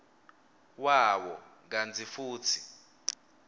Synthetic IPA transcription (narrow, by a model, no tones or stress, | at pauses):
wawɔŋand͡zʱifuːt͡sʰi